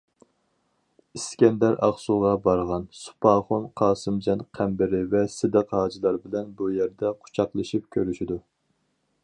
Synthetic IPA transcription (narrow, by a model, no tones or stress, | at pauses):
iskʲɛnd̪ɛɾʔɑχsuʁɑbɑɾʁɑnsu̥pʰɑːχʊnqʰɑːsɨmd͡ʒɛnqʰæmbɪɾɪvɛsɪd̪əqhɑːd͡ʒilˠɑɾbɪlɛnbujɛɾd̪ɛqʰʊ̥t͡ʃʰɑqlˠɨʃip̚kʲʰøɾyʃid̪u